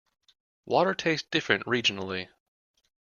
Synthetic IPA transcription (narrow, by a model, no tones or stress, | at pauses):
wɔɾə˞tʰeɪsd̥ɪfɹɨ̰̃nʔɹid͡ʒɨn̩l̩ˠi